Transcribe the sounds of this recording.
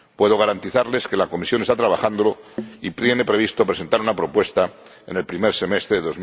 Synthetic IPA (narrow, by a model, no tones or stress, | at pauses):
pwe̞ðoɣ̞aɾant̪iθaɾle̞ske̞lako̞misjo̞net̪at̪ɾaβaxand̪o̞lo̞ip̪jene̞pɾe̞β̞ist̪o̞pɾes̬e̞nt̪aɾunapɾo̞pwe̞st̪a | ene̞lpɾime̞ɾse̞me̞st̪ɾeðeo̞zm